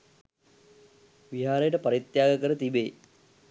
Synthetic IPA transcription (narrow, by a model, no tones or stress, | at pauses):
ʋiɦaːɾejəʈəpaɾit̪jaːɡəkəɾət̪ibe